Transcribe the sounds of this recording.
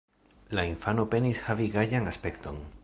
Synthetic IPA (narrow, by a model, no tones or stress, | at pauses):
lainfano̞pe̞nishaviɡajaŋaspe̞kt̪o̞̰n